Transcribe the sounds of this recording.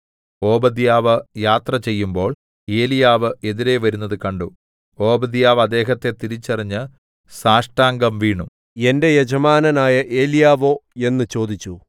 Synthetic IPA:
o̞ːbɐd̪jaːʋɨjaːt̪rɐt͡ɕe̞jːumbo̞ːɭ | e̞ːlijaːʋɨe̞ðiɾe̞ʋɐɾunːɐðɨkɐɳɖu | o̞ːbɐd̪jaːʋɐd̪ːe̞ːɦɐt̪ːe̞t̪iɾit͡ɕːɐriɲːɨ | saːʂʈaːŋɡɐmʋiːɳum | e̞nde̞jed͡ʑɐmaːnɐnaːjɐʔe̞ːlijaːʋo̞ːe̞nːɨt͡ɕo̞ːd̪it͡ɕːu

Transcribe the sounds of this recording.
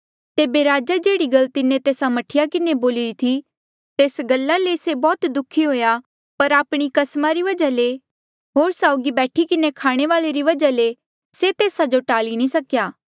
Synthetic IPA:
t̪eːbeɾaːd͡ʒad͡ʒeːɽiɡɐlt̪ɪnẽt̪eːsamɐʈʰɪjakɪneboːlɪɾit̪ʰi | t̪eːsɡɐlːalesebɔːt̪d̪ʊkʰiɦoːja | pɐɾaːpɽ̃ikɐsmaɾiʋɐd͡ʒale | ɦoːɾsaːʊɡibɛːʈʰikɪnekʰaːɽ̃eʋaːleɾiʋɐd͡ʒale | set̪eːsad͡ʒoʈaːlinĩsɐkjaː

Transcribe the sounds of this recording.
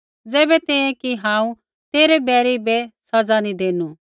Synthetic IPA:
d͡zɛːbɛt̪ẽẽkiɦãːũ | t̪eːɾɛbɛːɾibɛsɐd͡zanid̪eːnu

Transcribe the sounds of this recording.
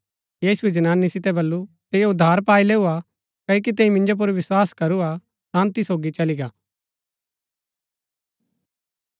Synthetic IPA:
jiːsuɛd͡ʒɐnaːnːisɪt̪̬ɛbɐlːut̪eːjoʊd̪ʱːaːɾpaːileːua | kɐjk̬it̪eĩmɪ̃nd͡ʒop̬ʊɾʋɪswaːskɐɾua | sãːnt̪isoːɡit͡ʃɐliɡaː

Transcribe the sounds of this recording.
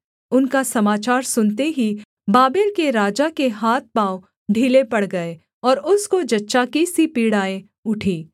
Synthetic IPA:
ʊnkasɐmaːt͡ʃaːɾsʊnt̪eɦi | baːbɪɾkeɾaːd͡ʒakeɦaːt̪̚pãːo | ɖʱiːlepɐɽɡɐe | ɔːɾʊskod͡ʒɐtːʃakisipiːɽaːẽ | ʊʈʰiː

